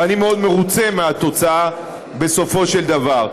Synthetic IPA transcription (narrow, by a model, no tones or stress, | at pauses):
animeo̞d̪me̞ʁut͡se̞meat̪o̞t͡saa | be̞so̞fo̞ʃeld̪avaʁ